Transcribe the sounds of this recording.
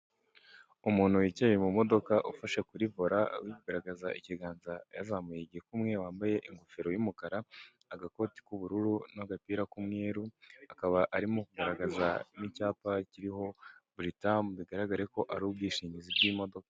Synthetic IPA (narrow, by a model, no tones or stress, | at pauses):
umuːn̥huwicejemumo̞do̞kaʔufaʃekuɾivoɾawiuɡaɾaɡazaʔiciɡaːnzajazaːmujeɟihekumŋe̞waːmbaje̞ʔiŋɡofeɾo̞jumukaɾaː | ɡako̞ːti̥kuβuɾuɾunaɡapiːɾakumŋeːɾuakaβaʔaɾimokuɡaɾaɡazanicaːpaciɾiho̞bɾitamβiɡaɾaɡaɾe̞ko̞ʔaɾubɡiːʃiːɲizibɟiːmo̞do̞kḁ